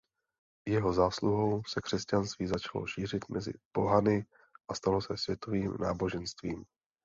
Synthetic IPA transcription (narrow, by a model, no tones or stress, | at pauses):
jɛɦo̞zaːsluɦo̞wsɛkr̝̥ɛscanst̪viːzat͡ʃalo̰ʃiːr̝ɪt̪mʔɛzɪ̰po̞ɦanɪ | ʔast̪alo̞sɛsvjɛt̪o̞viːmnaːbo̞ʒɛnst̪viːm